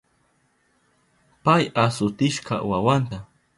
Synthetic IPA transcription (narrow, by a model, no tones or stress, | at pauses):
pajasʊt̪ɪʃqɑ̰wawant̪a